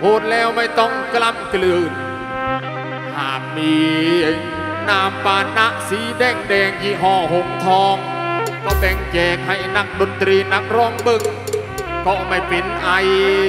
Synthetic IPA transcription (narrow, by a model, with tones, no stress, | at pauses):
hoː˧˩t̪̚lɛː˧˥˩wma˧˩jt̪ɔ˧˥˩ŋkla˧˩mklɯː˧˩n | haː˨˩t̪̚miː˧ | naː˧˩mpaː˧na˧˥ʔsiː˨˦dɛː˧˩ŋdɛː˧ŋjiː˧˩ɦɔː˧˩ɦo˨˧ŋt̪ʰɔː˧ŋ | bɔː˧˩ɓɛ˧˩ŋt͡ɕɛː˧˩k̚ha˧˩jna˧˥k̚ɗo˧nt̪ɾiː˧na˧˥k̚ɾɔː˧˩ŋbɤ˧˨ŋ | kɔː˧˩ma˧˩jpe˧˨nʔa˧j